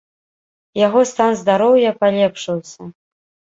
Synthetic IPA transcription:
jaɣɔst̪anzd̪aɾɔwjɐpalʲɛpʂɨwsʲɐ

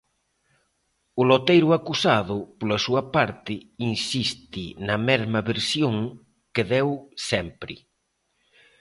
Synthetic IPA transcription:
ʊlot̪ejɾʊakusaðʊpolɐsuɐpaɾt̪ɪinsist̪ɪnɐmɛzmɐβeɾsjoŋ | keðɛwsɛmpɾɪ

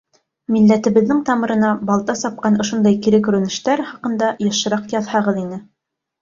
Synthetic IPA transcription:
milːæt̪ɘ̆βɘ̆ðːɘŋt̪ɑmɤ̆ɾɤ̆nɑbɑlˠt̪ɑsɑp̚qɑnŏʃond̪ɑjkiɾɘkɵ̆ɾɘ̆nɘ̆ʃt̪æɾχɑqɤ̆nd̪ɑjɤ̆ʃɤ̆ɾɑqjɑðhɑʁɤðinɘ

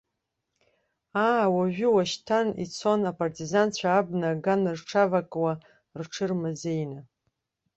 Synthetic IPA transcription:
aːwaʒᶣʊwaʃtʰanḭt͡sʰo̞napʼartʰʼizant͡ɕʷʰaːbnaɡanrʈ͡ʂʰavakʼwa | rʈ͡ʂʰɨrmazejna

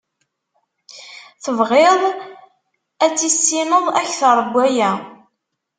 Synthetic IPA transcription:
θəvʁɪðˤ | æt͡sːisːinəðˤæçθəɾˤbʷːæjæ

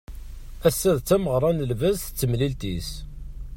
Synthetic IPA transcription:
æsːæðt͡sːæməʁɾˤɑnəlvəzθt͡sːəmlilt̪is

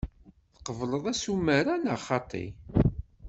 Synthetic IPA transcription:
θə̥qəvləðˤæsumːəɾanəʁχɑt̪ˤːḭ

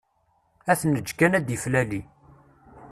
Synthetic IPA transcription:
æθnəd͡ʒːkænæd̪jəflæli

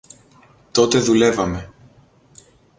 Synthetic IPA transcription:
t̪o̞t̪e̞ðule̞vɐme̞

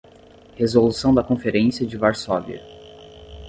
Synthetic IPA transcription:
hezolusɐ̃w̃d̪ɐkõfeɾẽsiɐd͡ʒɪvaɾsɔvḭɐ̰

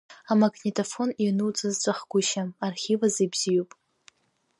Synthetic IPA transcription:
amaɡnʲetʼafo̞ninɨwt͡sʼɨzt͡sʷʼaχɡʷʊʃamarχʲivazibz̥ijupʼ

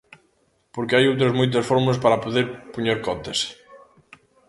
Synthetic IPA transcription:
poɾkɪajowt̪ɾɐzmujt̪̬ɐsfɔɾmulaspaɾɐpoðeɾpuɲeɾkɔt̪es

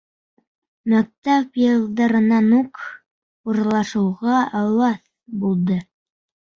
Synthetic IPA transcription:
mæk̚t̪æpjɤ̆lˠd̪ɑɾɤ̆nɑnuk | uɾlˠɑʃɤ̆wʁɑɑwɑθ | bulˠd̪ɤ

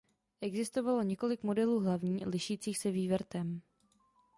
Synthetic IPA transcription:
ʔɛɡzɪst̪o̞valo̞ɲɛko̞lɪkmo̞dɛluːɦlavɲiːlɪʃiːt͡siːxsɛviːvɾ̩t̪ɛm

